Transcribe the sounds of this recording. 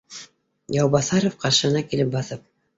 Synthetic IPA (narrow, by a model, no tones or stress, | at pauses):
jɑwbɑθɑɾofqɑɾʃɤ̆ɤ̆nɑkilɘp̚bɑθɤp̚